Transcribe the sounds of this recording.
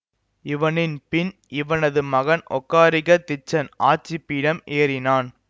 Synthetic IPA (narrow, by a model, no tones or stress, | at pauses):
ɪʋɐnɪnpɪn | ɪʋɐnɐðɯmɐɣɐnʔɔ̰kːaːɾɪɣɐt̪ɪt͡ʃːɐnʔaːt͡ʃːɪpːiːɽɐmʔeːɾɪnaːn